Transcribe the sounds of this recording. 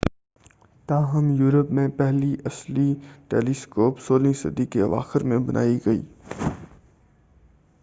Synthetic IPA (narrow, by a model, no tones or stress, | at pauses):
t̪aːɦɐmjuːɾəpmẽpɛɦliʔɐsliʈeːliskoːpsoːlĩsɐ̰d̪ikeɐʋa̰ːxɪɾmẽbɐnʔa̰ːiɡɐḭː